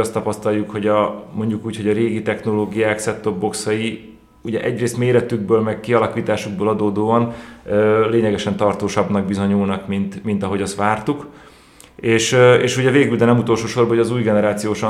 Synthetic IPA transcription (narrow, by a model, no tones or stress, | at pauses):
ɒst̪ɒpɒst̪ɒljukho̞ɟɒmo̞ɲɟukuːcho̞ɟɒɾeːɡit̪ɛxno̞loːɡijaːksɛt̪ːo̞bːo̞ksɒji | uɟɛʔɛɟreːst̪meːɾɛt̪yɡ̚bøːlmɛkkiɒlɒkiːt̪aːʃuɡ̚boːlɒd̪oːd̪oːɒnøːleːɲɛɡɛʃɛnt̪ɒrt̪oːʃɒbnɒɡ̚bizo̞ɲuːlnɒkmint̪mint̪ɒɦo̞ɟɒst̪ʋaːrt̪uk | eːʃeːʃuɟɛveːɡyld̪ɛnɛmut̪o̞lʃoːʃo̞rbɒɦoɒzuːjɡɛnɛɾaːt̪sijoːʃɒ